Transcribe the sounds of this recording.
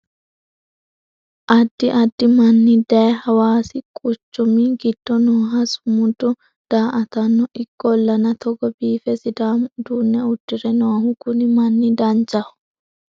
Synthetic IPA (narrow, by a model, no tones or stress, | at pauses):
ʔɐd̪ːɪʔɐd̪ːɪmɐnːɪd̪ɐjɛhɐwaːsɪkʼʊt͡ʃːʊmɪɡɪd̪̥ːɔnoːɦɐsʊmʊd̪ːʊ | d̪̥aːʔɐt̪ɐnːɔʔɪkʼːɔlːɐnɐt̪ʰɔɡɔbiːfɛsɪd̪aːmd̪uːnːɛʊtːɪɾɛnoːhʊkʊnɪmɐnːɪd̪ɐnt͡ʃʼɐhʊ̥